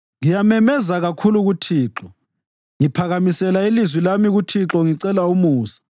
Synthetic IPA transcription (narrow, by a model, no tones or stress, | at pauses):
ŋijamɛmɛzaɣakʰuluɣutʰiːǁɔ | ŋipʰaɣamisɛlailizwilamiɣutʰiǁɔŋiǀɛlaumuːsi̥